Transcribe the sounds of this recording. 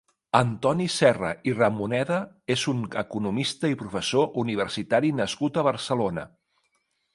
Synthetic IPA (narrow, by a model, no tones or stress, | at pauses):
ənt̪ɔnisɛrə̰irəmunɛðə | ezunəkunumist̪əipɾufəsoʔuniβ̞əɾsit̪aɾinəskut̪əβəɾsəlonə̰